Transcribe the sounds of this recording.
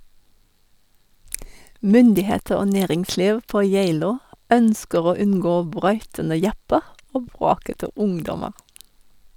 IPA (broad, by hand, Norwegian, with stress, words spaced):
ˈmʏndɪˌheːtəɹ ˈoː ˈneːʁɪŋˌsliːʋ ˈpoː ˈjæɪloː ˈœnskəʁ ˈoː ˈʉnɡoː ˈbɾœʏtənə ˈjɑpəʁ ˈoː ˈbʁoːkətə ˈʊŋdɔməʁ